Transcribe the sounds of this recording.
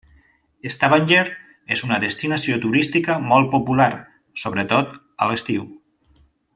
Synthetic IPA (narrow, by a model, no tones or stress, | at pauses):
est̪aβaɲʲʎeɾ | ezunəðəst̪inasiot̪uɾist̪ikəmɔlˠt̪̚populaɾ | soβɾət̪ot̪ | ə̰ləst̪iw